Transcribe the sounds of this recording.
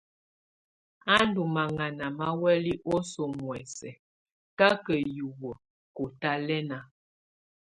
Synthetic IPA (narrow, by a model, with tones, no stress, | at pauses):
a˦ndu˨ma˨ŋa˨na˨ma˦wɛ˦li˦ʔo˦so˨mwɛ˨sɛ˨ | ka˦kə˨ju˨wə˨ | ko˨ta˦lɛ˦na˨